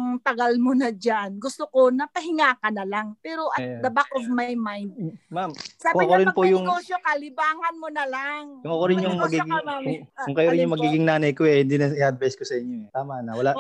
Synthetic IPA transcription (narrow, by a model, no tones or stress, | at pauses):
ŋt̪ɐɡalmonɐd͡ʒanɡʊst̪okonɐp̪ɐɦɪŋaːkɐnɐlaŋpɛːɾo̞ʔɐt̪̚d̪ɐbakʔovmɐjmajnd̪̚mamsaːbʊŋɐkoɾɪnpojʊŋɡoʃokɐlɪbaːŋɐnmonɐlaŋkʊŋʔɐkoɾɪnjʊŋmɐɡiɡɪŋkʊŋkʊŋkɐjoɾɪnjʊŋmɐɡiːɡɪŋnaːnɐjkoɛhɪnd̪inɐɪhad̪̚bajskosɐʔɪɲoɛt̪aːmanɐwɐlaʔ